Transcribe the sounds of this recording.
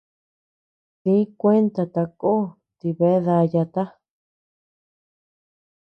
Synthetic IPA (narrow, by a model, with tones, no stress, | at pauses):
tĩ˦kʷe˦nt̪a˧t̪a˧ko˦ | t̪i˧βe˧˦ða˧ja˧t̪a˦